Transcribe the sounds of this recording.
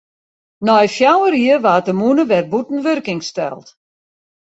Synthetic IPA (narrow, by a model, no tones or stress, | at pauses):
nɔjfjawəɾiəʋaːt̚dəmunəʋɛrbutn̩ʋørkɪŋstɛlˠt